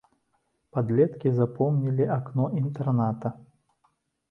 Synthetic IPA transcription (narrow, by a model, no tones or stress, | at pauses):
pad̪lʲɛt̪kʲizapɔmnʲilʲiaknɔʔint̪ɛrnat̪ɐ